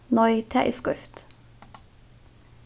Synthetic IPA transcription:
nɔʏt̪ʰæ̰ʔɪskʏ̰ft̪

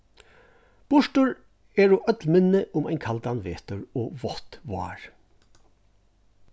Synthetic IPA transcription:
b̥ʊʃʈəɹ | eːɹoːʔœt̪lmɪnəʔʊmæɪŋkʰɑld̪ɑnʋḛːt̪əɹoːʋɔt̪ʋɑ̰ːɹ

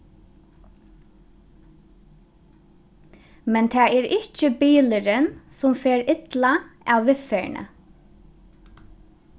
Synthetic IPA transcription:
mɛnt̪ʰæːɛːɹɪt͡ʃəbiːləɾənsʊmfeːɹɪt̪laaːʋʋɪfeːɹɳə̰

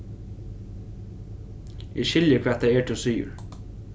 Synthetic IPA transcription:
ɛʃɪljəkʰv̥æːt̪aɛɹt̪ʰɪsʏːjʊ̰ɹ

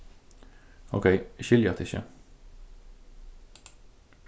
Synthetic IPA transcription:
o̰ːkʰeɪçʏljɑt̪ʰɪçə̰

